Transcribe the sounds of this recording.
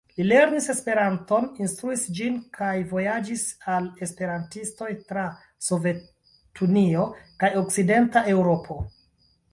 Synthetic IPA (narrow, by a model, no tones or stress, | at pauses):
lile̞ɾnise̞spe̞ɾanto̞ninstɾuisd͡ʒinkʰajvo̞jad͡ʒisale̞spe̞ɾantisto̞jtɾa | so̞ve̞ | tunio̞kajo̞k̚side̞ntae̞wɾo̞pʰo̞